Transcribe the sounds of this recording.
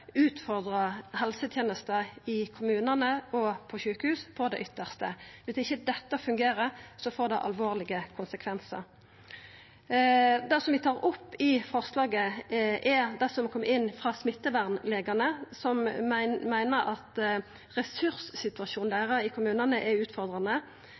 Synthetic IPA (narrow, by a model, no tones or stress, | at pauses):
ʉːt̪fɔʁd̪ʁəɦɛlsət̪ʰjeːnəst̪əɪkʰʊmʉːnənəɔpʰɔɕʉːkəhʉːspʰɔd̪ɛ̰ʔʏt̪ːəʁst̪əʋɪsɪçːəd̪ɛt̪ːəfʉŋɡeːɾəsɔfoːʁd̪ɛʔɑ̰lʋoːʁlɪɡəkʰʊnsəkʰʋɛnsə̰ɾ | d̪ɛsɔmʋɪt̪ʰɑːʁɾʊpːɪfɔʁslɑːɡəʔɛd̪ɛsɔmkʰɔmːəɪnːfʁɑːsmɪt̪ːəʋæʁnleːɡɑnəsɔmmæɪnəɾɑt̪ | ʁɛsʉʁssɪt̪ʉɑʃuːnd̪æːʁəɪkʰʊmʉːnənəʔɛʉːt̪fɔʁd̪ʁɑnə